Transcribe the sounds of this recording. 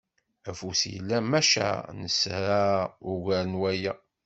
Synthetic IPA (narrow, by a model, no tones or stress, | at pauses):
æfusjə̰lːæmæʃæ̰nəsɾaʊʝæɾənwæjæ